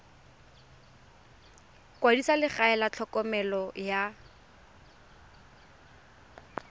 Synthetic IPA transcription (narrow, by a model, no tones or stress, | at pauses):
kwadisalɪχaɛlat͡ɬʰɔkʼɔmɛlɔja